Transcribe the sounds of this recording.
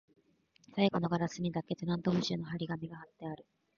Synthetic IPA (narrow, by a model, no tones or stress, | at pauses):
saiɡo̞no̞ɡaɾasɨmʲid̪akːe̞tɨɾãnt̪omɯ̟ɕɨːnoɦaɾʲiɡamʲiɡahat̪ːe̞aɾɯ̟